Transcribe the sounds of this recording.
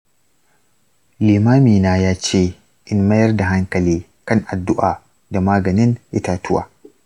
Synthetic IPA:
liː˨maː˦miː˨naː˦jaː˦t͡ʃeː˦˨ | ʔɪ˨nmɐ˦jɐ˦rda˨ɦa˦ŋkɐ˨liː˦ | kɐ˦˨ŋʔa˨dːʊ˦ʔaː˨ | da˨maː˦ɡɐ˨nɪ˦nʔɪ˦taː˦tʊ˦wa̰ː˨

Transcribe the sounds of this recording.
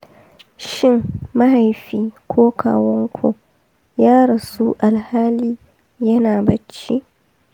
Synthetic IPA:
ʃɪ˦˨ŋma˦ɦa˨jɸiː˦kʰʷoː˦kʰa̰ː˨wɔ˦ŋkʷʰo̰˨ | jaː˦ɽɐ˨su˦ʔa˨lhaː˦liː˦ | jɐ˦naː˨bɐ˨t͡ʃːi˦ʔ

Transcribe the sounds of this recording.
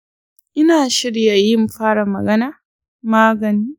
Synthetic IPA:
ʔɪ˦naː˨ʃɪ˦ɽja˨jɪ˦mɸaː˦ɽa˨mɐ̰˨ɡɐ˦naː˨ | maː˦ɡɐ˨niː˦

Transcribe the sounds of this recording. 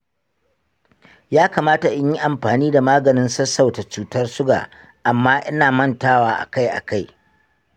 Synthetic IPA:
jaː˦kaː˨maː˦ta˨ʔɪ˦ɲji˦ʔa˨mɸaː˨niː˦da˨maː˦ɡɐ˨nɪ˦nsɐ˦sa˦˨wta˨t͡ʃuː˨˦tɐ˦rsʊ˦ɡa̰ː˨ | ʔa˨mːaː˦ʔɪ˦naː˨mɐ˦ntaː˦waː˦ʔa̰˨ka˦jʔa̰˨ka˦j

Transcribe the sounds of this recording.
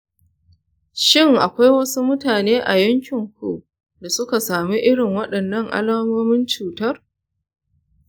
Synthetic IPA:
ʃɪ˦˨ŋʔa˨kʷa˦jwɐ˦su˦mʊ˦taː˨neː˦ʔa̰˨jɐ˦ŋkʲɪ˨ŋkʷṵ˨ʔ | da˨sʊ˦ka˨saː˨mi˦ʔɪ˦ɽɪ˨ŋwɐ˦ɗɐ˨nːɐ˦˨ŋʔa̰˦laː˦moː˦mɪ˦nt͡ʃuː˨tɐ˦r

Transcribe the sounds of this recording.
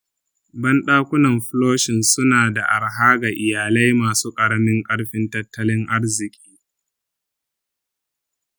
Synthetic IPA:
bɐ˦nɗaː˦kʷʊ˦nɐ˨mɸʊ˦loː˦ʃɪ˨nsʊ˦naː˨da˨ʔa˨ɽɦaː˦ɡa˨ʔɪ˨jaː˨la˦jmaː˨suː˦kʼɐ˨ɽmɪ˦ŋkʼɐ˦ɽɸɪ˦ntɐ˦tːɐ˦lɪ˦ŋʔa˦ɽzɪ˨kʲʼiː˦

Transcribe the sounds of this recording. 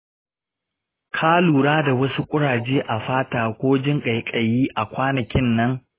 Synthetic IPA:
kʰaː˦luː˨ɽaː˦da˨wɐ˦su˦kʷʼʊ˦ɽaː˨d͡ʒeː˦ʔa˨ɸaː˦taː˨kʷoː˦d͡ʒɪ˦ŋkʼa˨jkʼɐ˨jiː˦ʔa˨kʷaː˦nɐ˨kʲɪ˦nːɐ˦ŋ

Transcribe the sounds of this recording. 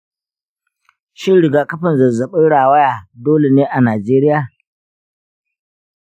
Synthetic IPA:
ʃɪ˦nɽɪ˨ɡaː˨kɐ˦ɸɐ˨nzɐ˨zɐ˨ɓɪ˦ɽaː˨wɐ˦jaː˨doː˦le˨neː˦ʔa˨naː˨d͡ʒeː˦ɾɪ˦jaː˨

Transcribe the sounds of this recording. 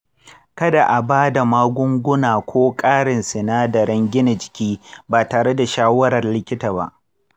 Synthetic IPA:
kɐ˦da˨ʔa˨baː˦da˨maː˦ɡʷʊ˦ŋɡʷʊ˦naː˨kʷoː˦kʼaː˦ɽɪ˨nsɪ˨naː˦dɐ˨ɾɐ˦ŋɡʲɪ˦na˨d͡ʒɪ̥˨kʲiː˦baː˨taː˨ɽe˦da˨ʃaː˦wɐ˦ɾɐ˨rlɪ˦kʲɪ˦taː˨ba̰˦ʔ

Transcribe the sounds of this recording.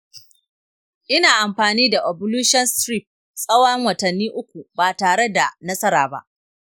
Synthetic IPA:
ʔɪ˦naː˨ʔa˨mɸaː˨niː˦da˨ʔo˨bʊ˦luː˦ʃɔ˦nsɾi˦˨p̚ | sʼɐ˦wɐ˦ŋwɐ˨tɐ˨nːiː˦ʔʊ˦kʷu˨baː˨taː˨ɽe˦da˨nɐ˦sɐ˦ɾaː˨ba̰˦ʔ

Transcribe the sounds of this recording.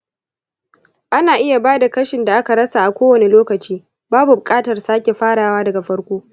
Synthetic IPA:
ʔa˦naː˨ʔɪ˦ja˨baː˦da˨kɐ˦ʃɪ˨nda˨ʔa˦ka˨ɽɐ˦sa˨ʔa˨kʷoː˦wɐ˨ne˦loː˦kɐ˨t͡ʃiː˦ | baː˦bu˨bʊ˨kʼaː˦tɐ˨rsaː˦kʲe˨ɸaː˦ɽaː˨waː˦dɐ˨ɡa˨ɸɐ˦ɽkʷoː˦

